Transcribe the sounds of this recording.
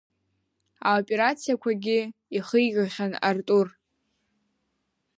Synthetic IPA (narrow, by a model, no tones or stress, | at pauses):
aopʼe̞ɾat͡sʰijakʷʰaɡʲɪiχəjʒʲaχʲanartʼur